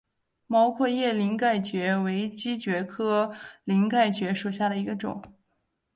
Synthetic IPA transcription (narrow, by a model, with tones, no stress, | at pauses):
mɑ˧˥ʊkʰwɔ˥˧jɛ˥˩li˧˥ŋka˥˩ɪt͡ɕɥɛ˧˥we˧˥ɪt͡ɕi˥t͡ɕɥɛ˧˥kʰɤ˥li˧˥ŋka˥˩ɪt͡ɕɥɛ˧˥ʂu˨˩ɕja˥˩ɾə˩i˧˥ɡə˧ʈ͡ʂʊ̰˨˩˦